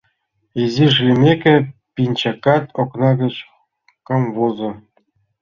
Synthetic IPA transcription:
iziʐlʲimʲekʲɘ̆pʲinʲt͡ɕɑkːɑt̪oknɑɡʲɤ̆t͡ɕ | kɑmʋozɤ̆

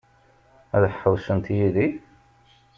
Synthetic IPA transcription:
æðəħħəwsənt̪jiði

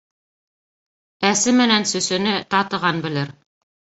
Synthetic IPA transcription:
æsɘmɘ̆nænsɵ̆sɵ̆nɘt̪ɑt̪ɤ̆ʁɑnbɘ̆lɘɾ

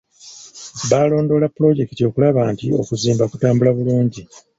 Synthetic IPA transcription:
βaːlo̞ːndo̞ːlapːulo̞ɟe̞kto̞ːkulaβaːntio̞̰kuziːmbakutaːmbulaβuluːɲɟi

